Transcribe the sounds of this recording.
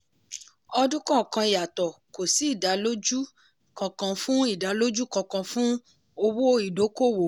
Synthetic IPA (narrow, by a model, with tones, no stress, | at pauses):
ɔ˧dũ˦kã˦˨kã˧i˨ja˨tɔ˨ko˨si˨˦i˦˨da˨˦lo˦d͡ʒu˦ | kã˨˧kã˧fũ˦i˦˨da˨˦lo˦d͡ʒu˦kã˧kã˧fũ˦ | o˧wo˦i˨do˨˦ko˦˨wo˨